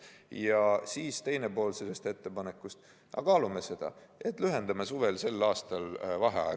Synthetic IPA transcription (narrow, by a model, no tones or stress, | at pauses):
jɑsiːst̪e̞jne̞po̞ːlselest̪e̞t̪ːe̞pɑne̞kˑːust̪ | ʔɑ̰kɑːlumese̞d̪̥ɑ̰e̞t̪ːˑlyɦe̞nd̪̥ɑmesuve̞lse̞lːɑːst̪ɑlvɑɦeɑ̰ḛ